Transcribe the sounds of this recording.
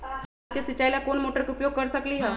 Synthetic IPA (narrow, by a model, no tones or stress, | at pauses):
kesɪt͡ʃːaːilakoːnmoːʈəɾkeʊpjoːɡ̚kɐɾsɐkliɦɛː